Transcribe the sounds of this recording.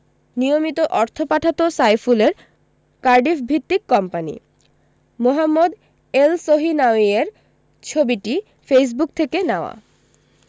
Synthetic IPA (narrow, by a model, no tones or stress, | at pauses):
nijomit̪oʔɔɾt̪ʰopaʈʰat̪osajfuleɾ | kaɾɖifbʱit̪ːikːɔmpanḭ | moɦamːod̪ | elsoɦinawieɾ | t͡ɕʰobiʈi | fejs̬buk̚t̪ʰekenaoa̰